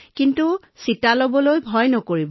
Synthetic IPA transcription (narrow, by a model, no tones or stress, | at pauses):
kintu | sitalobɔlojbʱɔjnɔkoɹibɔ